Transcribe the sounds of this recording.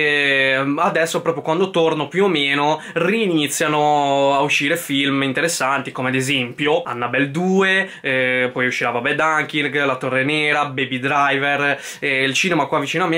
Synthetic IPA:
ɛad̪ɛsːopɾɔpɾjokwand̪ot̪ornopjuomeːno | riːnit̪sːjanoauʃːiːɾefilmint̪eɾesːant̪ikomead̪ezɛmpjoa̰nːabɛld̪uːe | pɔjuʃːiɾavabɛd̪aŋkiɾɡlat̪orːenɛːɾabebid̪ɾajver | ɛilt͡ʃiːnemakwavːit͡ʃiːnoamːe

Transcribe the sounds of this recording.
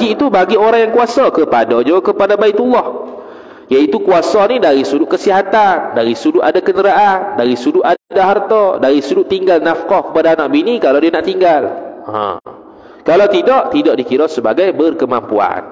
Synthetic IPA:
ɡiit̪ubaɡioɾaŋjaŋkuasɔkəpadɔd͡ʒokəpadabait̪ulːɔh | jait̪ukuasɔnidaɾisudʊʔkəsiɦat̪andaɾisudʊtʔadakəndəɾaʔandaɾisudʊʔ̪adadaɦart̪ɔdaɾisudʊʔt̪iŋɡalnafkɔhkə̥padaːnaʔbinikalawdianaʔt̪iŋɡalã̰ | kalawt̪idɔʔt̪idɔʔdikiɾɔsəba̰ɡajbərkəmampua̰n

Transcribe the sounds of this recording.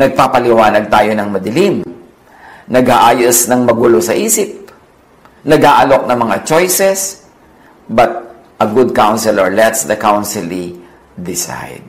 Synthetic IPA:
nɐɡ̚papɐlɪwaːnɐɡ̚t̪aːjonɐŋmɐd̪ɪlim | nɐɡhaʔaːjosnɐŋmɐɡuːlosɐʔiːsɪp̚ | nɐɡhaʔɐlo̞k̚nɐŋmɐŋat͡ʃojsɛs | bɐt̪̚ | ʔɐɡʊd̪̚kawnsɛlɐɹlɛt̪sd̪ɐkawnsɪlːi | d̪ɪsa̰jd̪̚

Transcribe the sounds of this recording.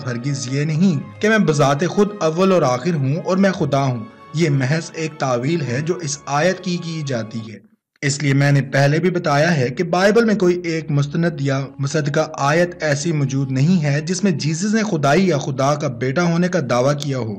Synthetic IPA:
fʰɐɾɡɪzjenɐɦĩkemɛ̃ːbɐzaːt̪̬exʊd̪ɐʋːəlɔːɾaːxɪɾɦũɔːɾmɛ̃ːxʊd̪aɦũː | jeːmɛɦɛzeːk̚t̪aːʋiːlɦɛd͡ʒoːʔɪsaːjət̪kikid͡ʒaːt̪iɦɛː | ɪsliemɛ̃ːnepɛɦlebʱibɐt̪aːjaɦɛkebaːɪbəlmẽkoːiʔeːkmʊs̬t̪ənəd̪jamɐsəd̪kaʔaːjət̪ɛːsimɔːd͡ʒuːd̪nɐɦĩɦɛd͡ʒɪsmẽd͡ʒiːzəznexʊd̪aːijaxʊd̪akabeːʈaɦoːnekad̪aːʋakijaɦoː

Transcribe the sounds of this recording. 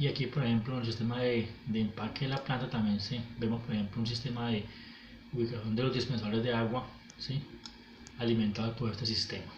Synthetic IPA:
iakipo̞ɾexe̞mplonelsist̪e̞maðe̞d̪eːmpakeːnlaplant̪at̪ambje̞nsebe̞mo̞spoɾexe̞mplouns̬ist̪e̞maðe̞ | uβikasjo̞nd̪e̞lo̞zd̪ispens̬aoɾe̞zd̪e̞aɣwa | si | alimẽnt̪aðot̪oɾest̪es̬ist̪e̞ma

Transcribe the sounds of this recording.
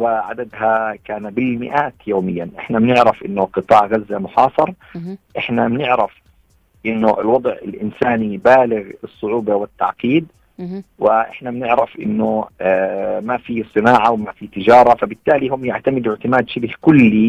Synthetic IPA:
wɪʕa̰d̪ad̪ɦakaːnbɪlmɪ̰ʔaːt̪joːmɪjːanʔɪħnamnɪʕɾafʔɪnːʊqɨt̪ˤɑːʕɣazːamʊħɑːsˤɑɾˤ | ʔɪħnamɪnɪʕɾɪf | ʔɪnːʊʔɪ̰lwɑd̪ˤʕɪ̰lʔɪ̰nsaːnibaːlɪɣɨsˤːʊʕuːbawɪt̪ːa̰ʕqiːd̪ | wɪʔɪ̰ħnamɪnɪʕɾafʔɪ̰nːʊ | mafisˤɨnaːʕawmafiːt̪ɪd͡ʒɑːɾˤɑfabɪt̪ːaːliɦʊmjaʕt̪amɪd̪ɪʕt̪ɪmaːd̪ʃɪbhkʊlːi

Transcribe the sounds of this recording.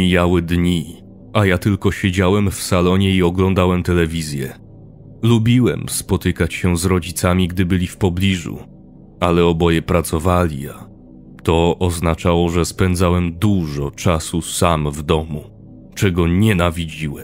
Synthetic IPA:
ijawɘd̪ɲi | ajat̪ɘlkɔɕed͡ʑawɛmfsalɔɲɛiɔɡlɔnd̪awɛmt̪ɛlɛvʲizʲjɛ | lubʲiwɛ̰mspɔt̪ɘkat͡ɕɕɛzɾɔd͡ʑit̪samʲiɡd̪ɘbɘlʲifpɔblʲiʐṵ | alɛɔbɔjɛpɾat̪sɔvalʲḭa | t̪ɔʔɔznat͡ʂawɔʐɛspɛnd̪zawɛmd̪uʐɔt͡ʂasusamvd̪ɔmu | t͡ʂɛɡɔɲɛnavʲid͡ʑiwɛm

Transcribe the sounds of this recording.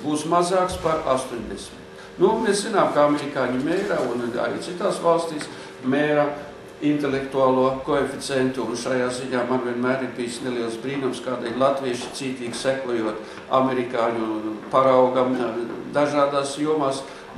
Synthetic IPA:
buːsmazaːkspaɾa̰st̪oɲʲd̪esmitt̪ | numeszinaːmkaameɾikaːɲimeːjɾauna̰ɾḭːt̪sit̪aːsʋalˠst̪iːs | mʲeːɾa | int̪elʲekt̪uaːlˠuɔkoefit̪sʲɛnt̪uːnʃajaːziɲaːmanvʲiɛnmæːɾiɾbijisneliɛlˠsbɾiːnumskaːd̪ʲelʲlˠat̪ʋiɛʃi̥t̪siːt̪iːɡʲsækuɔjuɔt̪ | a̰meɾikaːɲupaɾawɡamd̪aʒaːd̪aːsjuɔmaːs

